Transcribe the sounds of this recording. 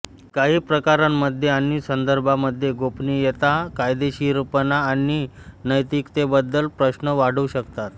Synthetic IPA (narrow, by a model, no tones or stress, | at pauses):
kaɦiːpɾəkaɾanməd̪ʱːjeaniːsənd̪əɾbʱaməd̪ʱːjeɡopniːjet̪akajd̪eɕiːɾpənaːninəjt̪ikt̪ebəd̪ːəlpɾəɕnəʋaɽ̤uːɕəkt̪at̪